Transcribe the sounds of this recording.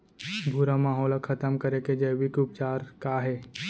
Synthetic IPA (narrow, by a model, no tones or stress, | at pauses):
bʱuɾamaːɦɔːləkʰɐt̪əmkɐɾeked͡ʒəʋikʊp̚t͡ʃaːɾkaːɦe